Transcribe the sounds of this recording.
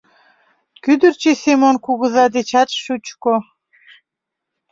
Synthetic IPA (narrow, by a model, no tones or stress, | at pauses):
kyd̪ə̆rt͡ɕesemonkuɣɤ̆zɑd̪et͡ɕɑt̪ʃut͡ɕko